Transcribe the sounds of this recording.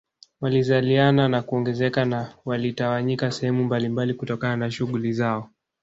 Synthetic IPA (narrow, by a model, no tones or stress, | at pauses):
walizaliananakuɔŋɡɛzɛkanawalitawaɲikasɛhɛmumbalimbalikutɔkananaʃuɠulizaɔ